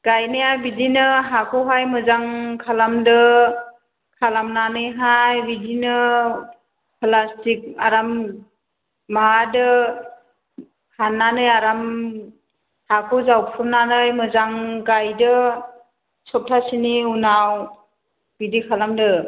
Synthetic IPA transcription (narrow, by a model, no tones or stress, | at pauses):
ɡ̥ajnɯjajbidinɯɦakʰɔɦajmɯzaŋkʰalamdɯ | kʰalamnanɯjɦajbidinɯ | pʰlastik̚aɾam | maadɯ | hʰanːanɯjaɾam | hakʰɔzawpʰɯnanɯjmɯzaŋɡajdɯ | sɔp̚tʰasiniunaw | bidikʰalamdɯ